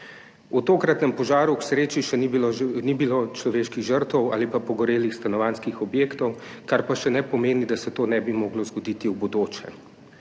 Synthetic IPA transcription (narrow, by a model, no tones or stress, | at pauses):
ut̪oːkɾat̪nɛmpɔʒaːɾuksɾeːt͡ʃiʃɛniblonibilot͡ʃlɔʋeːʃkiɣʒəɾt̪ɔwa̰ːlipapɔɡɔɾeːlixst̪anɔʋaːnskixɔbjeːkt̪ɔwkaɾpaʃɛnɛpɔmeːnid̪asɛt̪oːnɛbimoːɡlɔzɡɔd̪iːt̪iwbɔd̪oːt͡ʃɛ̰